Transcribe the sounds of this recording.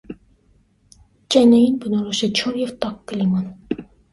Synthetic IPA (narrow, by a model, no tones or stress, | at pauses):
t͡ʃʼɛjnɛjinbənɔɾɔʃɛt͡ʃʰunjɛvt̪ɑkːəlimɑn